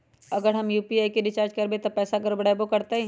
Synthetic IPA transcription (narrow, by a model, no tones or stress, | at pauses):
ɐɡəɾɦɐmjuːpiaːikeɖɪt͡ʃaːɾd͡ʒkɐɾbet̪opɛːsaɡɐɾbɐɽabokɐɾt̪aɦĩː